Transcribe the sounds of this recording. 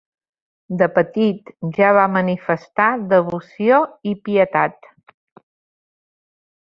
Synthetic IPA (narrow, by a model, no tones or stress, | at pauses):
d̪əpət̪it̪ʒaβamənifəst̪aðəβusioipiət̪at̪